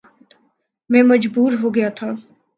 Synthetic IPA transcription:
t̪ | mɛ̃ːmɐd͡ʒbuːɾɦoɡɐjat̪ʰaː

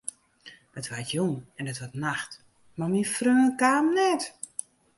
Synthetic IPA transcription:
d̥ɔtʋatjuŋɛndɔtʋɔtnaxt | mamifrøːnəkaːmnɛt

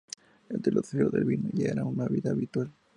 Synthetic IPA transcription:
eld̪elʔoθioɾðelβinoʝaeɾaunaβiðaːβit̪wal

